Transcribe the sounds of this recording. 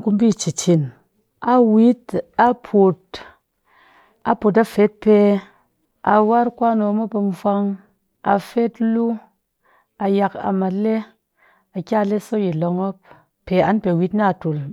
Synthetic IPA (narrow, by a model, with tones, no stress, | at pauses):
ku˦mbi˦˨t͡ʃi˨t͡ʃi˨n | a˨wi˨˦ta˦pʰu˨t | a˨po˨t̬a˦fe˦t̚pe˧ | a̰˨wa˦ɾkʷa˦no˧˦mo˦pe˧ɱ˦fʷa˧ŋ | a̰˨fe˦tlu˦ | a˨ja˧ka̰˨ma˨le˦ | a˨kʲa˦˨le˦so˦ji˨lo˧ŋo˦p̚ | pe˨a˦npe˨wi˦tna˦˨tu˨l